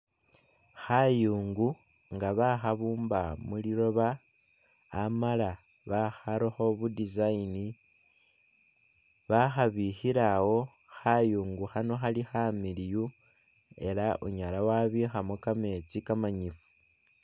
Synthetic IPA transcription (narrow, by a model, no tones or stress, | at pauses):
xajuːŋɡu | ŋɡaβaxaβuːmbamuliɾo̞βaː | mala | βaxaɾoxo̞βudizaini | βaxaβixiɾawo̞ | xajuːŋɡuxano̞xalixamiliju | e̞laʔṵɲalawaβixamokame̞t͡sikamaɲifu̥